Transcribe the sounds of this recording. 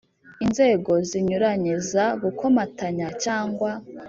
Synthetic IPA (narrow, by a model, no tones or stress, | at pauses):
inze̞ːɡo̞ziɲuɾaɲezaɡukʰo̞mataɲat͡ʃaːŋɡwa